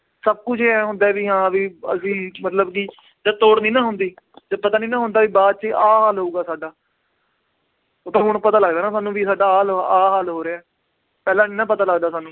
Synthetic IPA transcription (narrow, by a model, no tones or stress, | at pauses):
səb̚kʊt͡ʃʰːɛːɦʊ̃nd̪aːʋiːɦãːʋiːə̰sĩːmət̪ləbkiː | d̪ət̪oːɽniːnãːɦʊnd̪iː | t̪əpət̪aːnĩːnãːɦʊ̃nd̪aːʋiːbaːd̪̚t͡ʃʔaːɦaːlɦoːuːɡaːsaːɖaː | ʊt̪ãːɦʊɽɳpət̪aːləɡd̪aːnaːsaːnːũːʋiːsaːɖaːɦaːlaːɦaːlɦoːɾeaː | pɛːlãːniːnãːpət̪aːləɡd̪aːsaːnːũː